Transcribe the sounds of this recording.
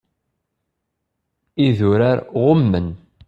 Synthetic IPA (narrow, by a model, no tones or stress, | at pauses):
iðʊɾaɾʁʊmːən